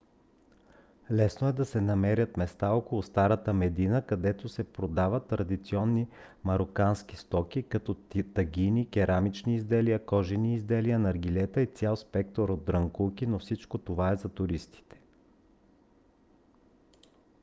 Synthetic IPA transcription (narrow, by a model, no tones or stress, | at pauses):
lɛsnoɛd̪ɐsɛnɐmɛɾʲjət̪mɛst̪aɔkolˠust̪aɾət̪əmɛd̪inəkɐd̪ɛt̪osɛpɾod̪avət̪ːɾɐd̪it̪siɔnːimɐɾokanski̥st̪ɔkʲikɐt̪ɔt̪ɐɡʲinikʲɛɾʔamit͡ʃniːzd̪ɛliəkɔʒɛniːzd̪ɛliənɐɾɡilɛt̪əit̪sʲjalˠspɛk̚t̪oɾod̪̚ːɾɐŋkukinofsit͡ʃkot̪ovaɛzɐt̪ʊɾist̪i̥t̪ɛ̥